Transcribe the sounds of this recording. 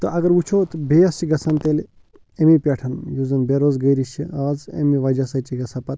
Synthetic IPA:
t̪əʔɐɡɐɾut͡ʃʰoːt̪bejɐst͡ʃiɡɐsant̪el | emipʲaʈʰɐnjuzɐnbeɾoːzɡəjɾiʃiaːzḛmiʋad͡ʒasat͡ʃiɡɐsapɐt̪

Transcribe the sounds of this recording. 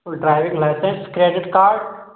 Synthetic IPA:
ɖɾaɪʋĩŋlaɪsẽnskɾieːɖɪʈkaːɾɖ

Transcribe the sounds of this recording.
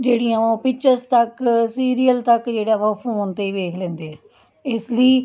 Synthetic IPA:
d͡ʒeːɽiãːõːpɪkt͡ʃəɾst̪əksiːɾiːəlt̪əkd͡ʒeːɽaːʋaːfʰoːnt̪eːiːʋeːkʰlɛ̃ːnd̪eɛː | ɪsləiː

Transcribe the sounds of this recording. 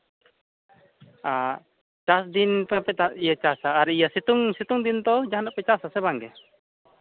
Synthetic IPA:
a | t͡ʃasd̪inpɛpɛt̪aʔijat͡ʃasaːɾijasit̪uŋsit̪uŋd̪int̪ɔd͡ʒaɦanaʔpɛt͡ʃasasɛbaŋɡɛ

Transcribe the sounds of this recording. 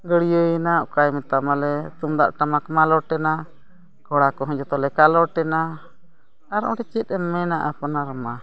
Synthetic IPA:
ɡəɽijəjɛnaʔɔkajmɛt̪amalɛt̪umd̪a̰ʔʈamakmalɔʈɛna | kɔɽakɔɦɔ̃d͡ʒɔt̪ɔlɛkalɔʈɛna | aɾɔ̰̃ʈɛt͡ʃɛt̪̚ˀɛmːɛnaʔapɔnaɾma

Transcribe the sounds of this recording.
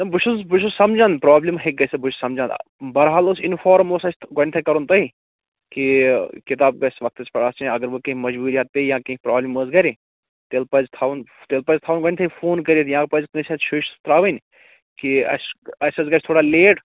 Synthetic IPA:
nɐbʊʃuzbʊʃusɐmd͡ʒãnd̪pɾaːblʲimɦek̚ɡɐsebʊʃʰsɐmd͡ʒãːnd̪̰bɐɾɦaːlosɪnfaːɾmosɐsʲʰɡonʲt̪ʰɐkɐɾunt̪ɐɦi | kikɪt̪aːb̚ɡɐsʋɐk̚t̪ɐspɐɽaːst͡ʃẽɐɡəɾʋokɐ̃ɦmɐd͡ʒbuːɾijaːt̪̚pejãːkɐ̃ipɾaːblʲimozɡɐɾe | t̪eːlpɐzt̪ʰaːʋnt̪eːlpɐzʲt̪ʰaːʋunɡonʲt̪ʰɐifoːnkɐɾiːt̪jãːkpɐzʲkɨ̃sɐt͡ʃʰoːʃt̪ɾaːʋɐnʲ | kiɐ̰sɐsɐzɡɐt͡ʃʰʲt̪ʰoːɽaːleːʈ

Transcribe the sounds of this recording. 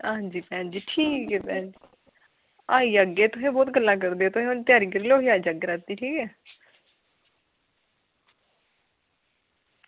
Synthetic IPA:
ãːd͡ʒiːpɛːnd͡ʒiːʈʰiːkɛːpɛ̃ːnd͡ʒiː | aːiːaɡeːt̪ʊsẽːbɔːt̪ɡəlːaːk̬əɾd̪eːɛːt̪ʊsẽʊnt̪ɪjaːɾiːkəɾiːloːɦiːaːid͡ʒaɡeːɾaːt̪iːʈʰiːkɛː

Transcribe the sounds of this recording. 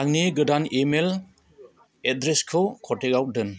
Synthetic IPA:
aŋniɡɯdanemel | edɾeskʰɯkʰɔtekaw̚dɯn

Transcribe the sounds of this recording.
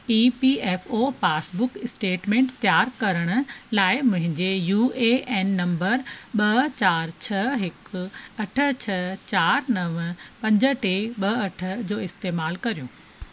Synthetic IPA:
iːpiɛːfopaːsbʊkɪsʈeːʈmẽːɳʈt̪jaːɾkɐɾəɽ̃ʊ̆laːɪmʊ̃ɦɪ̃ɲd͡ʑejuːeʔeːnːɐ̃mbəɾɓɐt͡ɕaːɾt͡ɕʰɐɦɪkɐʈʰə̆t͡ɕʰɐt͡ɕaːɾnɐʋpɐ̃ɲd͡ʑə̆ʈeɓɐɐʈʰə̆d͡ʑoːɪst̪eːmaːlkɐɾijũː

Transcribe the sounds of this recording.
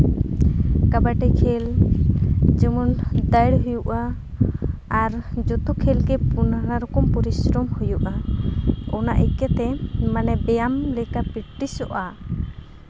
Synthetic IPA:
kabaʈɛkʰɛl | d͡ʒəmɔnd̪əjɽɦujuʔa | ɾd͡ʒɔt̪ukʰɛlɡɛpunanaɾɔkɔmpɔɾisɾɔmhujuʔa | ɔnaʔɛkɛt̪ɛmanɛbɛjamlɛkapiʈʈisɔʔa

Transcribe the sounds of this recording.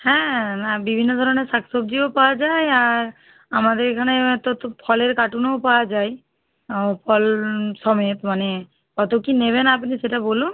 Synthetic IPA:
hɛ̃abibʱinːɔd̪ʱɔɾɔneɾsaksob̚d͡ʒiopawad͡ʒajaɾ | amad̪eɾkʰanet̪ot̪pʰɔleɾkaʈunowpawad͡ʒaj | pʰɔlsɔmɔt̪mane | kɔt̪okineβenap̬niseʈabolu

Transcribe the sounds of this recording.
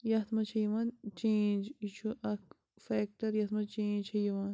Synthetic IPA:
jɐt̪mɐt͡ʃʰɐjɐʋant͡ʃẽːnd͡ʒit͡ʃʰuʔɐk | feːk̚ʈɐɾjɐt̪mɐt͡ʃẽːnd͡ʒt͡ʃʰɐjɐʋaːn

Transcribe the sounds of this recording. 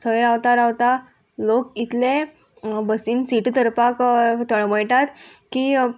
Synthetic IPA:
t͡sʰəɭɾawt̪aɾawt̪a | lok̚it̪le | bəsiːnsiʈt̪əɾpakt̪əɭməjʈ̪at̪ki

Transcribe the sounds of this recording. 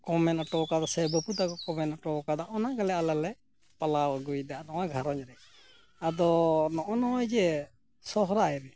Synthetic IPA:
kɔmɛnɔʈɔkad̪ɔsɛbəput̪akɔkɔmɛnɔʈɔkad̪aʔɔnaɡalɛalalɛ | palawɡujd̪anɔwaɡʱaɾɔɲɾɛ | ad̪ɔnɔʔɔnɔɔjd͡ʒɛ | sɔɦɾaɛɾɛ

